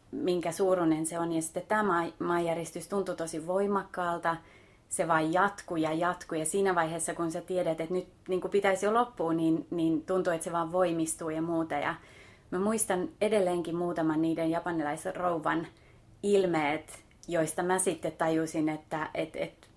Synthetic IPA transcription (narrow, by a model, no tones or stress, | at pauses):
miŋkæsuːrunenseonjɑsi̥t̪ːet̪t̪æːmɑːmɑːjærjest̪yst̪unt̪ut̪osiʋʋoimɑkːɑːlt̪ɑ | seʋɑːjjɑt̪kujɑjɑt̪kujɑsiːnæʋɑiheːsːɑkunsæt̪ieɾæt̪et̪nyt̪niːŋkupit̪æisiolopːuːninniːnt̪unt̪uet̪seʋɑːʋʋoimist̪uːjɑmuːt̪ɑjɑ̰ | mæmuist̪ɑnedelːeːŋkimmuːt̪ɑmɑnniːdenjɑpɑnilɑisrouʋɑn | ilmeːt̪ | joist̪ɑmæsit̪ːet̪t̪ɑjusinet̪ːæʔet̪ḛt̪